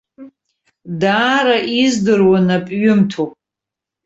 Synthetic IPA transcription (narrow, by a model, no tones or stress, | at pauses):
daːɾaʔizdɨrwanapʼɥʊmtʰopʼ